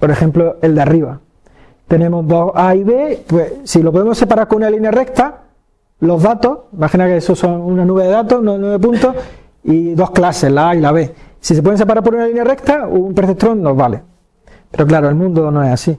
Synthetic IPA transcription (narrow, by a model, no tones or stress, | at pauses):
po̞ɾe̞xe̞mploe̞ld̪eariβa | t̪e̞nemo̞zðo̞aiβe̞pwe̞silopo̞ð̞e̞mo̞se̞paɾaɾkoŋunalinjare̞k̚t̪a | lo̞zðat̪o̞simaxinakeesoso̞ŋunanuβeðeðat̪o̞sunaðenuβep̬unt̪o̞h | iðo̞hklase̞zlaailaβe̞sise̞pwe̞esep̬aɾaɾp̬oɾunalinjare̞kt̪aumpeθek̚t̪ɾo̞ŋno̞zβale | pe̞ɾo̞klaɾo̞elmũnd̪onoe̞sasi